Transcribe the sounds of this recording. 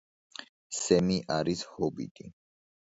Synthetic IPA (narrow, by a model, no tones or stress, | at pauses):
sɛmiʔaɾishɔbḭd̪ʼi